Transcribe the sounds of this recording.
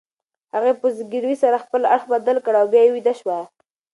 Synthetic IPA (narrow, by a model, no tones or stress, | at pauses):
haɣepəzɡiɾwisaɾaxpəlaɽxbad̪alkəɽawbjɑjewid̪aʃwa